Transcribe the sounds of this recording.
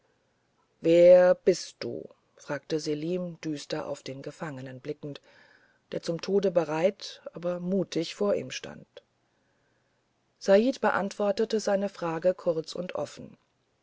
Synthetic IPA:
veːɐɐb̥ɪst̚d̥ṵː | fʁ̥aːktəzeliːmd̥yːstɐʔa̰ʊfd̥eːnɡəfaŋənənblɪkŋ̩t | d̥eːɐt͡sʊmtʰoːdəbəʁaɪtʔaːbɐmuːtʰɪçfoːɐʔḭːmʃta̰nt | z̥aiːtb̥əʔa̰ntv̥ɔɐtətəzaɪnəfʁ̥aːɡəkʰʊɐt͡sʊ̰ntʔɔ̰fn̩

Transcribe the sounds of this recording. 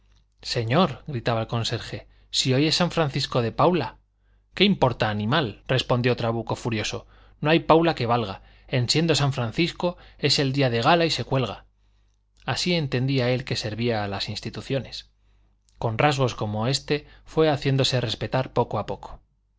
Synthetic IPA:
se̞ɲo̞ɾɣɾit̪aβalko̞nse̞ɾxe̞ | sio̞je̞sːaɱfɾan̟θisko̞ðe̞pawla | ke̞impo̞ɾt̪aːnĩmalre̞spo̞nd̪jo̞t̪ɾaβ̞uko̞fuɾjo̞so̞ | no̞ajpawlake̞βalɣa | ensje̞nd̪o̞saɱfɾan̟θisko̞e̞se̞ld̪iaðe̞ɣ̞alaise̞kwe̞lɣa | asie̞nt̪e̞nd̪iae̞lke̞se̞ɾβiaːlasinst̪it̪uθjo̞ne̞s | ko̞nrazɣo̞sko̞mo̞e̞st̪e̞fwe̞aθje̞nd̪o̞se̞re̞spe̞t̪aɾpo̞ko̞apo̞kʰo̥

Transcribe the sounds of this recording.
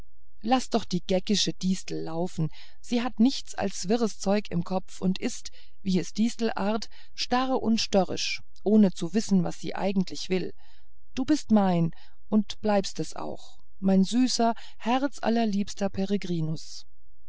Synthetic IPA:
lasd̥ɔχd̥iːɡ̥ɛkɪʃəd̥iːstl̩ːaʊfn̩ | z̥iːɦatnɪçt͡sa̰lsv̥ɪʁəst͡sɔʏkɪ̰mkʰɔp͡fʊntʔɪst | viːɛsd̥iːstl̩ʔa̰ːɐt | ʃtaʁəʔʊ̰ntʃtœʁɪ̰ʃ | ʔoːnət͡suvɪsn̩vasz̥ḭːʔa̰ɪɡŋ̩tlɪçv̥ɪl | d̥uːbɪstmaɪn | ʔʊntb̥laɪpstɛsʔa̰ʊx | maɪnzyːsɐ | hɛʁt͡sʔa̰lɐliːpstɐpʰeʁeɡʁiːnʊs

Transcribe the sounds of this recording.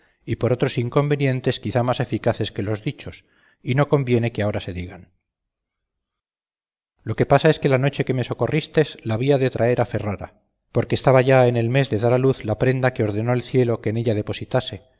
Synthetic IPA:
ipo̞ɾo̞t̪ɾo̞siŋko̞mbe̞nje̞nt̪e̞skiθamase̞fikaθe̞ske̞lo̞zðit͡ʃo̞s | ino̞ko̞mbje̞ne̞keao̞ɾase̞ðiɣan | lo̞ke̞pasae̞ske̞lano̞t͡ʃe̞ke̞me̞so̞ko̞rist̪e̞zlaːβiaðe̞t̪ɾʔae̞ɾafe̞raɾa̰ | po̞ɾkeːst̪aβaʝaene̞lme̞zðe̞ðaɾaluθlapɾe̞nd̪ake̞o̞ɾðe̞no̞elθje̞lo̞ke̞ːne̞ʎað̞e̞po̞sit̪ase̞

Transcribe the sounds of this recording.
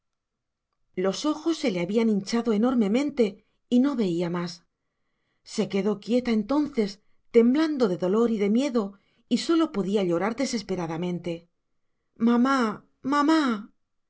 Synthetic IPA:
lo̞so̞xo̞sːe̞le̞aβianint͡ʃaðo̞e̞no̞ɾmẽ̞mẽ̞nt̪e̞ | ino̞βe̞iamas | e̞ke̞ðo̞kje̞t̪aent̪o̞nθe̞s | t̪e̞mbland̪o̞ðe̞ðo̞lo̞ɾiðe̞mje̞ðo̞ | iso̞lo̞po̞ðiaʎo̞ɾaɾðe̞se̞spe̞ɾaðamẽ̞nt̪e̞ | mama | mama

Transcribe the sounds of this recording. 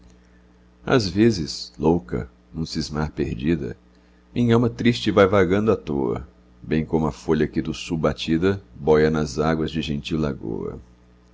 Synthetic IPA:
a̰zvezɪslowkɐ̰ | nũsizmaɾpeɾd͡ʒid̪ɐ̰ | mĩɲãmɐt̪ɾist͡ʃɪvajvaɡɐ̃nd̪ʊat̪oɐ̰ | bẽj̃kõmʊɐfoʎɐkɪd̪ʊsuwbat͡ʃid̪ɐbɔjɐnɐzaɡwɐzd͡ʒɪʒẽnt͡ʃiwlaɡo̰ɐ̰

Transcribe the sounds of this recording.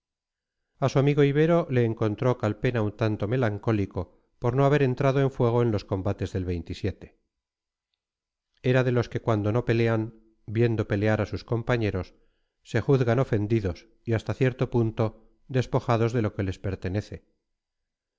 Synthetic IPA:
asuamiɣo̞iβ̞e̞ɾo̞le̞ːŋko̞nt̪ɾo̞kalpe̞naunt̪ant̪o̞me̞laŋko̞liko̞ | poɾno̞aβe̞ɾe̞nt̪ɾaðoe̞ɱfwe̞ɣ̞o̞enlosko̞mbat̪e̞zðe̞lβe̞jnt̪isje̞t̪e̞̥ | eɾaðe̞lo̞ske̞kwand̪ono̞pe̞le̞an | bje̞nd̪o̞pe̞leaɾasusko̞mpaɲe̞ɾo̞sː | e̞xuðɣano̞fe̞nd̪iðo̞s | iast̪aθje̞ɾt̪o̞punt̪o̞ | d̪e̞spo̞xaðo̞zðe̞lo̞ke̞le̞spe̞ɾt̪e̞ne̞θe̞

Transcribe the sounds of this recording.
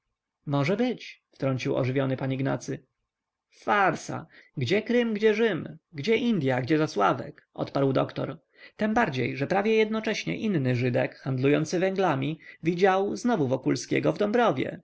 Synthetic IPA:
mɔʐɛbɘt͡ɕft̪ɾɔɲʲt͡ɕiwɔ̰ʐɘvʲjɔnɘpaɲiɡna̰t̪sɘ | faɾsa̰ɡd͡ʑɛkɾɘmɡd͡ʑɛʐɘmɡd͡ʑɛʔind̪ʲjaɡd͡ʑɛzaswavɛ̰kʔɔ̰t̪paɾwd̪ɔkt̪ɔ̰ɾ | t̪ɛmbaɾd͡ʑejʐɛpɾavʲjɛjɛd̪nɔt͡ʂɛɕɲɛ̰ʔinːɘʐɘd̪ɛkxand̪lujɔnt̪sɘvɛŋɡlamʲivʲid͡ʑawznɔvuvɔkulskʲɛ̰ɡɔvd̪ɔmbɾɔvʲjɛ̰

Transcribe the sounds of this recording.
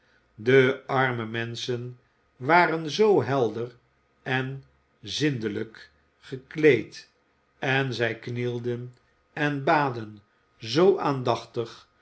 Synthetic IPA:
dəɑɹməmɛnsən | ʋaːɾənzowɦɛlˠdər | ɛn | zɪndələk | χəklejt | ɛnzɛjknilˠdən | ɛnbaːdən | zowʔaːndɑχtəχ

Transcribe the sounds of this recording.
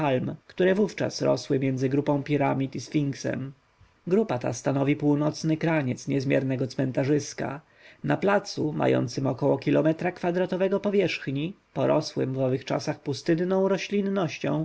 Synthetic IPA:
almkt̪uɾɛvuft͡ʂa̰sɾɔ̰swɘmʲjɛnd̪zɘɡɾupɔ̃w̃pʲiɾamʲit̪isfʲiŋksɛ̰m | ɡɾupat̪a̰st̪anɔvʲipuwnɔt̪snɘkɾaɲɛt̪sɲɛzmʲjɛɾnɛɡɔt̪smɛnt̪aʐɘska̰ | naplat̪suma̰jɔ̰nt̪sɘmɔkɔwɔkʲilɔmɛt̪ɾakfad̪ɾat̪ɔvɛɡɔpɔvʲjɛʂxɲi | pɔɾɔswɘ̰mvɔvɘxt͡ʂa̰saxpust̪ɘnːɔ̃w̃ɾɔɕlʲinːɔɕt͡ɕɔ̰̃w̃

